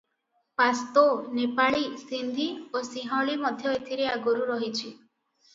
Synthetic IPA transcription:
past̪onepaɭisind̪ʱiosiɦɔɭimɔd̪ʱjɔet̪ʰiɾeaɡɔɾuɾɔɦit͡ʃʰi

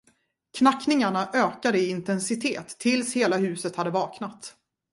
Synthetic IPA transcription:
kʰnakːnɪŋaɳaʔøːkad̪əɪɪnt̪ɛnsɪt̪ʰeːt̪ʰːɪlsheːlaɦʉ̟ːsət̪had̪ːəvɑːknat̪

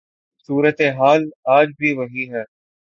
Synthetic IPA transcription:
suːɾət̪eɦaːlaːd͡ʒbʱiʋɐɦiɦɛː

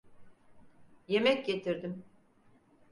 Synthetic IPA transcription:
je̞mɛcɟe̞t̪ʰiɾd̪im

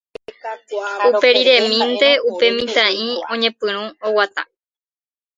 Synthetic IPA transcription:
upe̞ɾiɾe̞mĩnt̪e̞upe̞mĩt̪ãĩõ̞ɲẽ̞pɨ̃ɾ̃ũowat̪ã̰

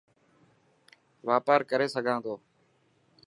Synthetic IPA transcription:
ʋaːpaːɾkəɾeːsəɡʱãːd̪oː

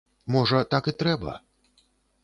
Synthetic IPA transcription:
mɔʐɐt̪akɨt̪ɾɛbɐ̰

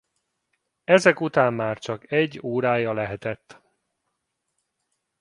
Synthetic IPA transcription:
ɛzɛkut̪aːmːaːrt͡ʃɒkɛɟːoːɾaːjɒlɛɦɛt̪ɛt̪ː

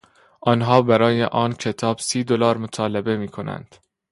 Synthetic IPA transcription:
ʔɒːnɦɒːbæɾɒːjeʔɒːncʰe̞t̪ʰɒːbsiːd̪olɒːɾmot̪ʰɒːlebe̞miːkʰo̞næ̰nd̪̥

